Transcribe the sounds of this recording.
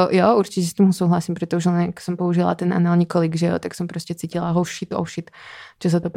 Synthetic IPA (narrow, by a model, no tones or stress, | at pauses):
jɔuɾt͡ʃicɛst̪imɦusuːɦlasiːmpɾɛt̪ɔuʒɛlɛnaksɔmpɔuʒila̰t̪ɛnʔa̰nalɲɛkɔliɡʒɛjɔ̰t̪aksɔmpɾɔscɛt͡siːcilaɦɔʃit̪ɔ̰ʊʃit̪t͡ʃɔs̬at̪ɔp